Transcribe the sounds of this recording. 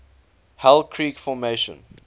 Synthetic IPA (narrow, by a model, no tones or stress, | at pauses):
hɛlkʰɹiːkfɔmeʃə̰̃n